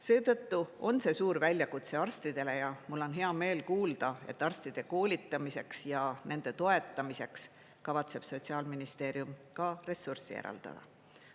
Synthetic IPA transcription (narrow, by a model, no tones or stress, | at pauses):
se̞ːt̪ɤ̞t̪ːuo̞nse̞suːɾvælʲjɑkut̪se̞ɑrst̪id̪̥e̞le̞jɑmulːo̞nɦe̞ɑme̞ːlkuːld̪̥ɑe̞̰t̪ːˑɑrst̪id̪̥e̞ko̞ːlʲit̪ːˑɑmise̞ksjɑnʔe̞nd̪̥e̞t̪o̞e̞t̪ːˑɑmise̞ks | kɑvɑt̪se̞b̥so̞t̪ʲsiɑːlminist̪e̞ːɾiumkɑre̞sːursḭḛɾɑ̰ld̪̥ɑ̰d̪̥ɑ̰